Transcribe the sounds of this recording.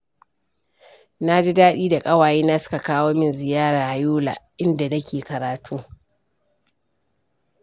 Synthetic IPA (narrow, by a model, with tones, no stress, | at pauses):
na˦d͡ʒi˦daː˦ɗiː˦da˨kʼɐ˦waː˨jiː˦naː˦sʊ̥˦ka˨kaː˦woː˦mɪ˦nzɪ˨jaː˦ɾaː˨ha˨juː˦la̰ː˨ʔɪ˦nda˨nɐ˦kʲʰeː˨kɐ˨ɾaː˨tʰuː˦